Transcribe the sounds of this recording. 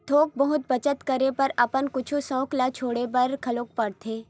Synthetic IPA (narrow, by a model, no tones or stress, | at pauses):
t̪ʰoːk̚bɐɦʊt̪̚bɐt͡ʃət̪kɐɾepɐɾɐpənkʊt͡ʃʰusɔ̃ːklat͡ʃʰoːɽebɐɾkʰɐloːk̚pɐɽt̪ʰeː